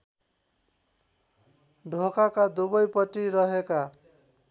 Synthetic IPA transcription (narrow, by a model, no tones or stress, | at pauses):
ɖʱokakad̪ubʌjpʌʈiɾʌɦeka